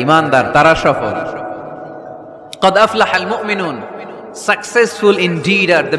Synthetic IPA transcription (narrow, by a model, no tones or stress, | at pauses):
iːmaːnd̪aɾt̪ɐɾaʃafo̰ | qɑd̪ʔaflaħalmʊʔmɪnuːn | sɐksesfʊlɪndiːɖaɾd̪ɐ